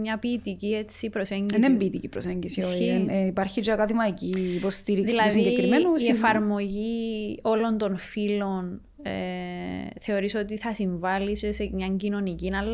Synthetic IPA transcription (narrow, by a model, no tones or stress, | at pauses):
mɲɐpiːt̪iciet͡sːipɾoseɲɟiðsembiːt̪icipɾoseɲɟisioinipɐɾçid͡ʒɐkɐðimɐicipost̪iɾikðilɐðsiɲɟeimennuiefɐɾmo̞ʝio̞lo̞nt̪o̞nfilo̞n | ḛ | θe̞o̞ɾisot̪iθɐsiɱvɐlissemɲɐɲɟino̞nicinɐlː